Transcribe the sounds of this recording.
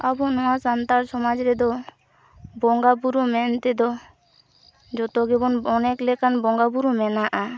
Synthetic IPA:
abunɔwasant̪aɾsɔmad͡ʒɾɛd̪ɔ | bɔŋɡapuɾumɛnt̪ɛd̪ɔ | d͡ʒɔt̪ɔɡɛbɔnɔnɛklɛkanbɔŋɡapuɾumɛnaʔa

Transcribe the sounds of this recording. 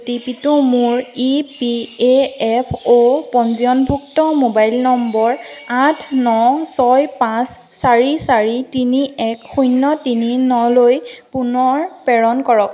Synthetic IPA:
tipitʊmʊɹipieɛpʰopɔnziɔnbʱuk̚tɔmobajlnɔmbɔɹatʰnɔsɔjpãsː | aɹisaɹitiniɛkxujnːɔtininɔlojpunɔɹpɛɹɔnkɔɹɔk̚

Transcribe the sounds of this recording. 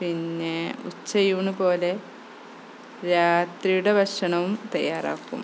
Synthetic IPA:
pinːeut͡ɕːɐjuːɳupo̞ːle̞ | ɾaːt̪rijuɽebʱɐʂɐɳɐʋumt̪ɐjːaːra̰ːkːṵm

